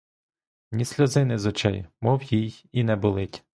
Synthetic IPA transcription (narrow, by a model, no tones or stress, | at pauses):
nʲisʲlʲɔzɪnɪzɔt͡ʃɛ̰jmɔwjijinɛbʊlˠɪtʲ